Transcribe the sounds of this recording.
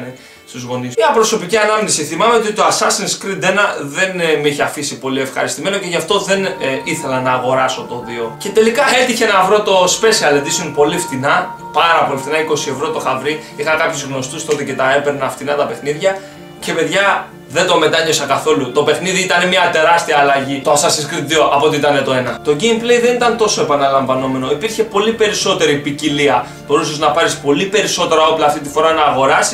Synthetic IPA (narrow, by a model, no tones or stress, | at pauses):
ne | st̪uzɣo̞nismɐpɾo̞so̞piciɐnɐmnisiθimɐmeot̪iooɐsɐsinskɾid̪enɐðe̞nmiçeɐfisipo̞lie̞fxɐ̰ɾist̪ime̞no̞ce̞ʝɐft̪o̞ðe̞niθe̞lɐnɐːɣo̞ɾɐso̞t̪o̞ðio̞ce̞t̪e̞likɐe̞t̪içe̞nɐvɾo̞t̪o̞spe̞siɐled̪isonpo̞lift̪inɐ | pɐɾɐpo̞lift̪inɐiko̞sie̞vɾo̞t̪o̞xɐvɾiixɐkɐpçuzɣno̞st̪ust̪ot̪ece̞t̪ɐepeɾnɐft̪inɐt̪ɐpe̞xniðʝɐ | ce̞pe̞ðʝɐ | ðe̞nd̪o̞me̞t̪ɐɲosɐkɐθo̞lut̪o̞pe̞xniðiit̪ɐnemɐt̪e̞ɾɐst̪iɐːlɐʝit̪oɐsɐsiskɾit̪ðioʔɐpoot̪iit̪ɐnet̪o̞e̞nɐt̪o̞ɟemplejðe̞nit̪ɐnt̪o̞so̞e̞pɐnɐlɐɱvɐno̞me̞no̞ipiɾçe̞po̞lipe̞ɾiso̞t̪e̞ɾipiciliɐ | b̥o̞ɾuseznɐpɐɾispo̞lipe̞ɾiso̞t̪e̞ɾɐo̞plɐːft̪it̪̬ifo̞ɾɐnɐːɣo̞ɾɐsi̥